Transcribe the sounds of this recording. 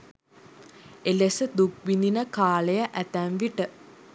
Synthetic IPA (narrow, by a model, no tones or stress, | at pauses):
elesəd̪uk̚ʋind̪inəkaːlejəʔæt̪ænʋiʈə